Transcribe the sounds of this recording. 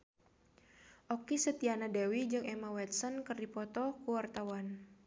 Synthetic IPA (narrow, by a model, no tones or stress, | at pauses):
ʔɔkisət̪ianadewid͡ʒɨŋɛmawɛt̪̚sɔnkɨrdipɔt̪ɔkuwart̪awan